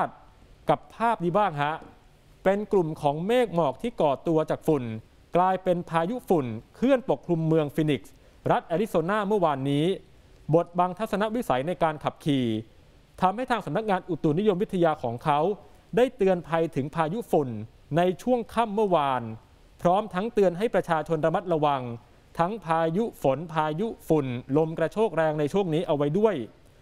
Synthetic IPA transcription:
t̪̚ | ka˨˩pʰːaː˥˩p̚diː˧baː˥˩ŋɦa˦˥ʔ | pe˧nklu˨˩mkʰɔː˩˦ŋmeː˥˩k̚mɔː˨˩k̚t̪ʰiː˥˩kɔː˨˩t̪u˧ɐt͡ɕaː˨˩k̚fu˨˩n | klaː˧jpe˧npʰaː˧ju˦˥fu˨˩nkʰɯ˥˩ənpo˨˩kʰɾu˧mːɯ˧əŋfiː˧ni˨˩k̚s | ɾa˦˥t̪̚ʔaː˧ɾi˦˥soː˧naː˥˩mɯ˥˩ɐwaː˧nːiː˦˥ | bo˨˩t̪̚baː˧ŋt̪ʰa˦˥t̪̚sa˧na˦˥ʔwi˦˥sa˩˦jna˧jkaː˧nkʰa˨˩p̚kʰiː˨˩ | t̪ʰa˧mha˥˩jt̪ʰaː˧ŋsa˩˦mna˦˥k̚ŋaː˧nʔu˨˩t̪u˨˩ni˦˥jo˧mːwi˦˥t̪ʰːa˧jaː˧kʰɔː˩˦ŋkʰa˦˥w | daː˥˩jt̪ɯ˧ənpʰa˧jt̪ʰɯ˩˦ŋpʰaː˧ju˦˥fu˨˩nː | a˧jt͡ɕʰu˥˩əŋkʰa˥˩mːɯ˥˩ɐwaː˧n | pʰɾɔː˦˥mt̪ʰa˦˥ŋt̪ɯ˧ənɦa˥˩jpɾa˧t͡ɕʰaː˧t͡ɕʰo˧nɾa˧ma˦˥t̪̚ɾa˧wa˧ŋ | t̪ʰa˦˥ŋpʰaː˧ju˦˥fo˩˦npʰaː˧ju˦˥fu˨˩nlo˧mkɾa˧t͡ɕʰoː˥˩k̚ɾɛː˧ŋna˧jt͡ɕʰu˥˩əŋniː˦˥ʔa˧wa˦˥jdu˥˩əj

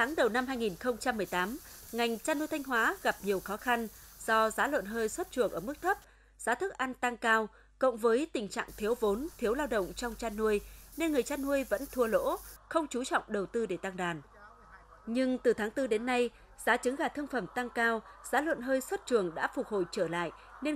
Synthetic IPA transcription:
t̪ʰaː˨˦ŋɗə˨˩wna˧mhɦaː˧jŋi˨˩nxə˧wŋ͡mt͡ɕa˧mːɨ˨˩əjt̪aː˨˦mŋa˨˩jŋ̟t͡ɕaː˧nːu˧əjt̪ʰa˧jŋ̟ɦwaː˨˦ɣa˨˩p̚ɲi˨˩əwxɔ˨˦xa˧nz̥ɔ˧zaː˨˦lwə̰˧˨nɦəː˧jswə˦˥t̚t͡ɕɨ˨˩əŋʔəː˧˩mɨ˦˥k̚t̪ʰə˦˥p̚ | z̥aː˨˦t̪ʰɨ˦˥k̚ʔa˧nt̪a˧ŋkaː˧w | ko̰˧˨ŋ͡mvəː˨˦jt̪ï˨˩ŋ̟t͡ɕa̰ː˧˨ŋt̪ʰi˨˦əwvo˨˦nt̪ʰi˨˦əwlaː˧wɗə̰˧˨wŋ͡mt͡ɕɔ˧wŋ͡mt͡ɕaː˧nːu˧əjne˧nŋɨ˨˩əjt͡ɕaː˧nːu˧əjvə̰˧˥nt̪ʰu˧əlo̰˧˥xə˧wŋ͡mt͡ɕu˨˦t͡ɕɔ̰˧˨wŋ͡mɗə˨˩wt̪ɨ˧ɗe˧˩t̪a˧ŋɗaː˨˩n | ɲɨ˧ŋt̪ɨ˨˩t̪ʰaː˨˦ŋt̪ɨ˧ɗe˨˦nːa˧j | z̥aː˨˦t͡ɕɨ˨˦ŋɣaː˧˩t̪ʰɨ˧əŋfə˧˩mt̪a˧ŋkaː˧wz̥aː˨˦lwə̰˧˨nɦəː˧jswə˦˥t̚t͡ɕɨ˨˩əŋɗa̰ː˧˥fʊ˨˩k̚ho̰˧˨jt͡ɕəː˧˩la̰ː˧˨jʔ | ne˧

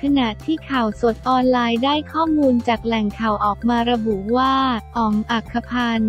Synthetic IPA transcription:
kʰa˧na˨˩t̪ʰiː˥˩kʰa˨˩wso˨˩t̪̚ʔɔː˧nlaː˧jdaː˥˩jkʰɔː˥˩muː˧nt͡ɕaː˨˩k̚lɛ˨˩ŋkʰa˨˩wʔɔː˨˩k̚maː˧ɾa˧bu˨˩ʔwaː˥˩ʔɔː˨˩ŋʔa˨˩kʰːa˧pʰaː˧n

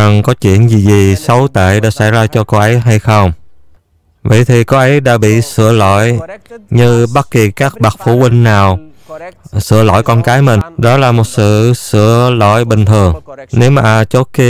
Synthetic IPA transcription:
a˨˩ŋkɔ˨˦t͡ɕwḭ˧˨ənzi˨˩zi˨˩sə˨˦wt̪ḛ˧˨ɗa̰ː˧˥sa̰˧˥˩jzaː˧t͡ɕɔ˧ko˧ʔə˨˦jɦa˧jxə˧wŋ͡m | və̰˧˨jt̪ʰi˨˩ko˨˦ʔə˨˦jɗa̰ː˧˥ɓḭ˧˨sɨ̰˧˨əlo̰˧˨jɲɨ˧ɓa˦˥t̚ki˨˩kaː˦˥k̚ɓa˨˩k̚fu˧˩wi˧ŋ̟naː˨˩w | sɨ̰˧˨əlo̰˧˨jkɔ˧nkaː˨˦jmï˨˩ŋɗɔ˨˦laː˨˩mo˨˩t̚sɨ̰˧˨sɨ̰˧˨əlo̰˧˨jɓï˨˩ŋ̟t̪ʰɨ˨˩əŋne˨˦wmaː˨˩ʔt͡ɕo˦˥t̚ki˧

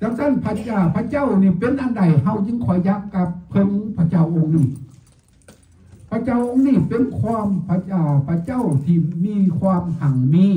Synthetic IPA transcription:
t͡ɕa˧ŋt̪a˧˥˨npʰa˧a˧˩pʰa˧˨t͡ɕa˧˥˨wniː˧˩pe˧˨nʔa˧˨nda˨˩jɦa˧˩wɲɯ˧˥ŋkʰɔ˨˩˦jt͡ɕa˧˦kːa˧˥pʰːɤ˧˨ŋpʰa˧˩t͡ɕa˧˩˨wʔo˧ŋniː˧˩ | pʰa˧˨t͡ɕa˧˩˨wʔo˧ŋniː˧˩˨pe˧˨nkʰwaː˧˨mpʰa˧a˧˨pʰa˧t͡ɕa˧˥˨wt̪ʰiː˧˩miː˧˥˨kʰwaː˧˨mha˨˩˦ŋmiː˧˥˨

